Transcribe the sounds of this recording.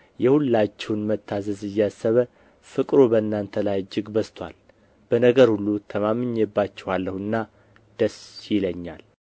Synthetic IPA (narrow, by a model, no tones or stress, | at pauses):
jɛhulːat͡ʃːɛwnmət̪ʰːazəzɨjːasːəβə | fɨkʼɾobənːant̪ʰəlajd͡ʒːɪɡbəst̪ʰwa̰l | b̥ənəɡəɾhulːut̪ʰəmamɨɲːjɛbːat͡ʃːɛwalːəhɨnːa | d̪̥əsjɪləɲːa̰l